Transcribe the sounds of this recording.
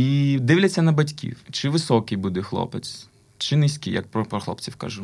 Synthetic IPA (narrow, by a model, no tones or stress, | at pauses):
id̪ɪwlʲɐt͡sʲːɐnɐbɐtʲkʲḭwt͡ʃɪʋɪsɔkɪjbud̪ɛxlˠɔ̰pet͡s̪ | t͡ʃɪnɪsʲkʲɪ̰jɐ̰k̚pɾɔpɾɔxlˠɔ̰pt͡sʲiwka̰ʒʊ